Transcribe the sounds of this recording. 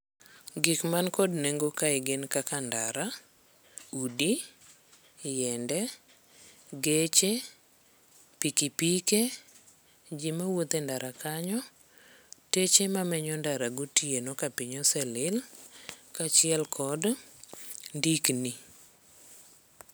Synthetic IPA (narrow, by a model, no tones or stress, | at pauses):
ɡɪkmankɔdneŋɡokaɪɡɪnkakandaɾa | udi | jɛndɛ | ɡet͡ʃe | pikipike | d͡ʒimawot̪endaɾʔakaɲɔ | tet͡ʃemamɛɲɔndaɾaɡutienokapiɲɔsɛlɪl | kat͡ʃɪɛlkʰɔd | ndikni